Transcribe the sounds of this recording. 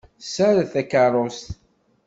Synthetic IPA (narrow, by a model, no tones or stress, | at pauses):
sæɾθækɑɾˤost̪